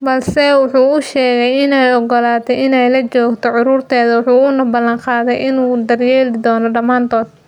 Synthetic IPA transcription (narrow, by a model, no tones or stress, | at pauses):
bɐlsɛwʊħuːʊʃɛːɣɛjɪnɛjɔɡɔlaːt̪ʰɛjʔɪnɛjlɐt͡ʃɔːɡt̪ʰɔʕʊɾuːrt̪ʰɛːðɐwɑħuːʊnɐbɐlɐŋqɑːðɛjʔɪnuːd̪ɐrjɛːlɪd̪ɔːnɔɖɐmaːnt̪ʰɔːd̪̚